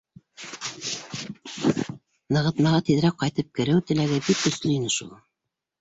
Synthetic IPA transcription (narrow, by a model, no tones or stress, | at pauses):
nɤ̆ʁɤ̆t̪mɑʁɑt̪iðɾæk̚qɑjt̪ɤp̚kɘ̆ɾɘwt̪ɘ̆læɡɘbikɵ̆slɵinɘʃṵlˠ